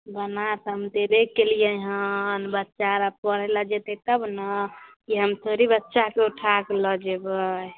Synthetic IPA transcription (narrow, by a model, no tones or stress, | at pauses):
bənat̪ɦəmd̪ebekːelijeɦənbətːʃaɾapəɽɛlad͡ʒet̪et̪əbnəkiɦəmt̪ʰoɾibətːʃakeuʈʰakeləd͡ʒebə